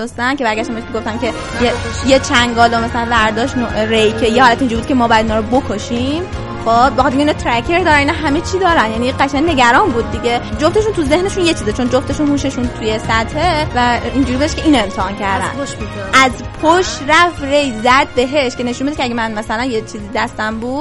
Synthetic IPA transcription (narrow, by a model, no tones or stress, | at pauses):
ost̪æncʰe̞bæɾɡʲæʃt̪æmbeeʃmiɡoft̪ænkʲʰe̞ | jejet͡ʃʰæŋɡɒːlomæsælænvæɾd̪ɒːʃt̪noɾejkʲʰejehɒːlæt̪ind͡ʒuɾbud̪̥̚cʰe̞mɒːbɔjæd̪inɒːɾobokʰoʃim | xobexɑt̪eɾeinɑt̪ʰɾækʰe̞ɾd̪ɒːɾæniːnɒɦæme̞t͡ʃʰid̪ɒːɾænjæniɢæʃænne̞ɡæɾɒːnbuːd̪̚ːiɡe̞d͡ʒoft̪ʰe̞ʃunt̪ʰuze̞hne̞ʃunjet͡ʃʰiːzet͡ʃʰo̞nd͡ʒoft̪ʰe̞ʃunhuːʃe̞ʃunt̪ʰuje̞sæt̪hevæind͡ʒuɾibeeʃcʰeiːnoe̞mt̪ʰeɒncʰæɾd̪æ̰n | ʔæzpʰoʃræfre̞jzæd̪̚be̞ɦeʃcʰe̞ne̞ʃunmbed̪ecʰeæɡʲɟemænmæsælænjet͡ʃʰiːziːd̪æst̪æmbud̪